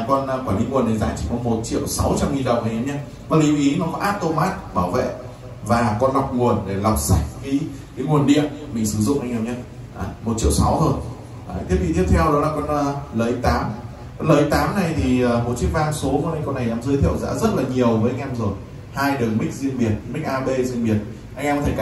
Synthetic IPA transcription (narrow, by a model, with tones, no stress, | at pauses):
a˨˩kɔ˧n˧kwaː˧˩li˨˧˦ŋu˨˩ənːa˨˩jza̰ː˧˥t͡ɕi˧˩kɔ˨˦mo˨˩t̚t͡ɕḭ˧˨əwsa˨˦wt͡ɕa˧mŋi˨˩nɗə˨˩wŋ͡mʔa˨˩˨ɲə˨˦ɲə˧ | va˨˦li˨˦wʔi˨˦nɔ˨˦ma˧˦ʔaː˦˥t̚t̪o˧maː˦˥t̚ɓaː˧˩wvḛ˧˨ | vaː˨˩kɔ˧nla˨˩wk͡p̚ŋu˨˩ənɗe˧˩la˨˩wk͡p̚sa˧˥jk̟̚ka˨˦ | kaː˨˦ŋu˨˩ənɗḭ˧˨ənmï˨˩ŋ̟sɨ˧˩zʊ̰˧˨ŋ͡mʔa˧jŋa˨˧˩wɲa˧ | ʔaː˨˩mo˨˩t̚t͡ɕḭ˧˨əwsa˨˦wt̪ʰo˧˩j | ʔaː˨t̪i˦˥əp̪̚i˨t̪i˦˥ət̪ʰɛ˧wɗɔ˨˦laː˧˩kɔ˧nː˨˧ləː˨˩ʔi˨˦t̪aː˨˦m | kɔ˨˧˦nləː˨˩ʔi˨˦t̪aː˨˦mna˨˩jt̪ʰi˨˩əː˨˩mo˨˩t̚t͡ɕi˦˥ək̚vaː˧ŋso˨˦vəː˨˦ʔa˧ŋ̟kɔ˧nːa˨˩jnaː˨˦mzɨ˨˧˦jt̪ʰɛ̰˧˨əwza̰ː˧˥zə˦˥t̚laː˨˩ɲi˨˩əwvəː˨˦ʔa˧jŋʔɛ˧mzo˨˩j | haː˧jɗɨː˨˩ŋmï˦˥k̟̚zi˧ənɓi˨˩ənmï˦˥k̟̚ʔaː˧ɓe˧zi˧ənɓi˨˩ən̚ | ʔa˧ŋʔɛ˧mkɔ˧t̪ʰ